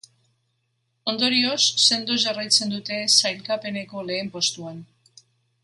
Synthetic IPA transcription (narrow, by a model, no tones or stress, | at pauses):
o̞nd̪o̞ɾio̞sːe̞nd̪ozarajt͡se̞nd̪ut̪e̞sajlkape̞ne̞ko̞le̞ːmpo̞st̪uan